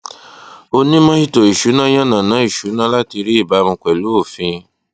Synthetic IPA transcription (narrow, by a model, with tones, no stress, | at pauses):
o˧nĩ˦mã˦ʃi˦˨to˨i˨ʃu˨˦nã˦j̃ã˦nã˨nã˨˦i˦˨ʃu˨˦nã˦la˦ti˧ɾi˦i˦˨ba˨˦mũ˧kɛ˨lu˨˦o˦˨fĩ˧